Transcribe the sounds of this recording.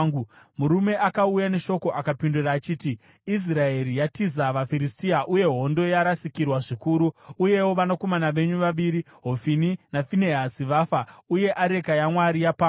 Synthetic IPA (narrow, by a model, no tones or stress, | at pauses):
muɾume̞ʔakaujane̞ʃo̞ko̞ʔakapinduraːt͡ʃiːti | is̬raeɾijatizaʋafiɾistiaʔuje̞ɦo̞ndo̞jaɾasikirwaʐikuɾuuje̞wo̞ʋanako̞manaʋe̞ɲuʋaʋiɾi | ɦo̞fininafineɦasiʋafauje̞ʔaɾe̞kajamwaɾijapa